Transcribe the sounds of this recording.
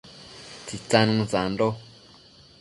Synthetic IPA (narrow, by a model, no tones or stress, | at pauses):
t͡sit͡sanŋzando